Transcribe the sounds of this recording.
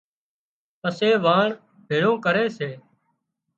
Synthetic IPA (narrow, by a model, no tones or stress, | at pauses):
əseːʋaːɳ | bʱeːɭõːkəɾeːseː